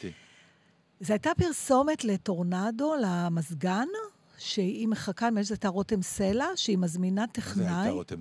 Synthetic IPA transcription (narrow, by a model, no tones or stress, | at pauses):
zeajtapiʁso̞me̞tle̞to̞ʁnado̞lamazɡan | ʃeimeχakaimeʃzajtaʁotemselaʃeimazminateχnnaj